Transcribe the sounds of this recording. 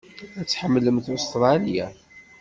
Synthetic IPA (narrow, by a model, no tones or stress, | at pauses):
æt͡sːħəmːləmθost̪ɾˤɑlja